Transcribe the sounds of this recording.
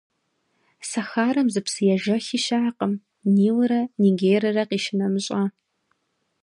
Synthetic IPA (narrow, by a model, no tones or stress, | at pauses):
sɐxaːɾɐmzɨpsɨjɛʒɐxiʃaʕaqəm | niːwɾɐniːɡeːjɾɐrɐqiːʃɪnɐmɨɕʼɐ